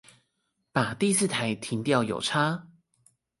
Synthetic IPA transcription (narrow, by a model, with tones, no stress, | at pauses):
pa˨˩t̪i˥˧sɹ̩˥˨˩t̪ʰa˧˦ɪt̪ʰi˧˥ŋt̪jɑ˥˨˩ʊjo̰˨˩ʊʈ͡ʂʰa˥